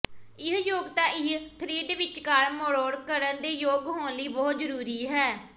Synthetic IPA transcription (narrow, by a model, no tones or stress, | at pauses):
ɪɦjoːɡt̪ãːʔɪɦt̪ʰɾiːɖʋɪt͡ʃkaːɾmoɽoːɽkəɾənd̪eːjoːɡɦoːnliːbɔːt̪zəɾuːɾiːɦɛː